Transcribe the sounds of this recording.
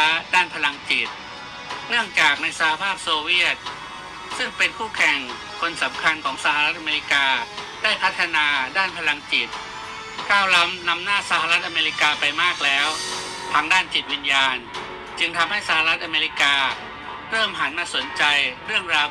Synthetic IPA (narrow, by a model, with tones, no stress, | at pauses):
daː˥˩npʰa˧la˧ŋt͡ɕi˨˩t̪̚ | nɯ˥˩əŋt͡ɕaː˨˩k̚na˧jsa˧ha˧pʰaː˥˩p̚soː˧wi˥˩ət̪̚ | sɯ˥˩ŋpe˧nkʰuː˥˩kʰɛ˨˩ŋ | kʰo˧nsa˩˦mkʰa˧nkʰɔː˩˦ŋsa˧ha˧ɾt̪̚ʔa˧meː˧ɾi˦˥kaː˧ | d̥a˥˩jpʰa˦˥t̪ʰːa˧naː˧daː˥˩npʰa˧la˧ŋt͡ɕi˨˩t̪̚ | kʰaː˥˩wla˦˥mna˧mnaː˥˩sa˧ha˧ɾa˦˥t̪̚ʔa˧meː˧ɾi˦˥kaː˧pa˧jmaː˥˩k̚lɛː˦˥w | t̪ʰaː˦˥ŋdaː˥˩nt͡ɕi˨˩t̪̚wi˧njaː˧n | t͡ɕɯ˧ŋt̪ʰa˧mha˥˩jsa˧ha˧ɾa˦˥t̪̚ʔa˧meː˧ɾi˦˥kaː˧ | ɾɤː˥˩mɦa˩˦nmaː˥˩so˩˦nt͡ɕa˧jɾɯ˥˩əŋɾaː˧w